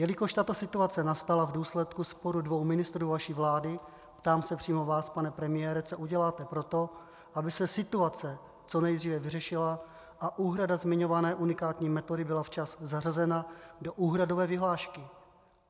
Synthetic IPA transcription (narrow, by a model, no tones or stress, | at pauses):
jɛlɪko̞ʃt̪at̪o̞sɪt̪uat͡sɛnast̪alavduːslɛt̪kuspo̞ɾudvo̞wmɪnɪst̪ɾuːvaʃiːvlaːdɪ | pt̪aːmsɛpr̝̥iːmo̞vaːspanɛpɾɛmɪjɛːɾɛt͡soʔuɟɛlaːt̪ɛpɾo̞t̪o̞ | ʔabɪsɛsɪt̪uat͡sɛ | t͡so̞nɛjd̪riːvɛvɪrɛʃɪla | ʔaʔuːɦɾadazmɪɲo̞vanɛːʔunɪkaːt̪ɲiːmɛt̪o̞dɪbɪlaft͡ʃaszarazɛnado̞ʔuːɦɾado̞vɛːvɪɦlaːʃkɪ